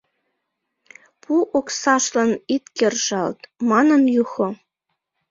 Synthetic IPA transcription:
pʰuʔoksɑʃlɤnit̪kʲerʒɑlt̪mɑnɤ̆njuxŏ

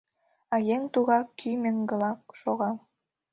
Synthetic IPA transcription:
ɑjeŋt̪uɣɑkʰːymĕŋɡɤ̆lɑkʃoɣɑ

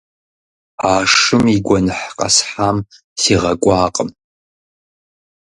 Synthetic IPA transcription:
aːʂɨmiɡʷɔnɨħqʼa̰sħam | siʁɐkʷʼaːqʼəm

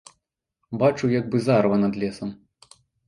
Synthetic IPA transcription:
bat͡ʂujɐɡbɨzarvɐnɐd̪lʲɛsɐm

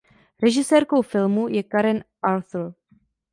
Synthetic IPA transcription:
ɾɛʒɪsɛːɾkowfɪlmujɛkaɾɛnʔalθl̩

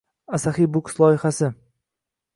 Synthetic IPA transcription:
asaχibʊkslˠɒɪχasɪ

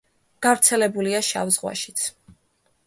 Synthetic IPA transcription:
ɡ̥avɾt̪sʰɛlɛbuliaʃa̰vzʁwa̰ʃi̥t̪sʰ

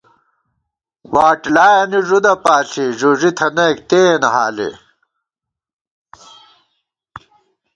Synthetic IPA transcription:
waːʈlaːjɐniʐud̪ɐpaːɬiʐuʐit̪ʰɐnɐːkt̪eːnɐɦaːlḭ

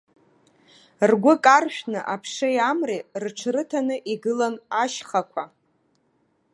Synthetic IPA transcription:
rɡʷʊkʼarʃᶣnɨʔapʰʂɨjamrirʈ͡ʂʰrɨtʰanɨʔiɡɨlanaʃχakʷʰa

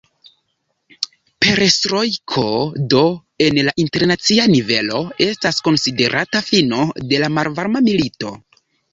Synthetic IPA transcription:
pe̞ɾstɾo̞jkʰo̞do̞ | e̞nlaʔinte̞ɾnat͡sianive̞lo̞e̞stasko̞nside̞ɾʔatafino̞de̞lamalvaɾmamilito̞

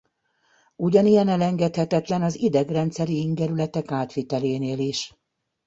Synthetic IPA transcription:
uɟɒnijɛnɛlɛŋɡɛt̪hɛt̪ɛt̪lɛnɒzid̪ɛɡrɛnt̪sɛɾiiŋɡɛɾylɛt̪ɛkaːt̪ʋit̪ɛleːneːliʃ

